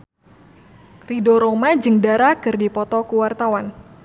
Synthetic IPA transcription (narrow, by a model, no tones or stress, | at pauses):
ridoɾomad͡ʒɨŋdaɾakɨrdipɔt̪ɔkuwart̪awan